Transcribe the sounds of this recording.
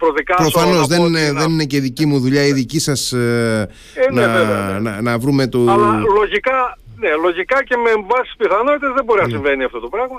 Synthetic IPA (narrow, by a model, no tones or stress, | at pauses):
pɾoðikɐpɾo̞fɐno̞zðenðe̞nine̞ce̞ðicimuðuʎɐiðicisɐs | nnɐeenɐnɐvɾume̞t̪uɐlɐlo̞ʝikɐ | ne̞lo̞ʝikɐce̞meːɱvɐsi̥spiθɐno̞t̪it̪ezðebo̞ɾinɐsiɱve̞niɐft̪o̞t̪o̞pɾɐɣmɐ